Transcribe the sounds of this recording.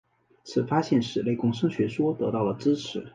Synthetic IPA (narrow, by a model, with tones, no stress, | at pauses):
t͡sʰɹ̩˨˩fa˥ɕjɛ˥˩nʂɻ̩˨˩le˥˩ɪkʊ˥ŋʂ̬ɤ˥ŋɕɥɛ˧˥ʂwɔ˥t̪ɤ˧˥t̪ɑ˥˩ʊlə˩ʈ͡ʂɻ̩˥ʈ͡ʂʰɻ̩˧˥